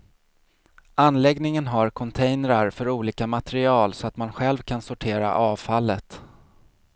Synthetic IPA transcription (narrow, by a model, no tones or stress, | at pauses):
anːlɛɡnɪŋənɦaɾkʰɔnt̪ʰɛjnəɾaɾfœɾuːliːkamat̪ɛɾɪɑːlsɔat̪manɧɛlvkʰansʊʈʰeːɾa̰ʔɑːvfalːət̪